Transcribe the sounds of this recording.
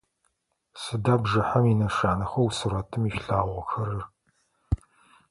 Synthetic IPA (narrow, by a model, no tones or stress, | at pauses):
sɨdabʒɨħɐminɐʂaːnɐχʷɐwsuɾɐtʰɨmiːʃɬaːʁʷɐxɐɾɨr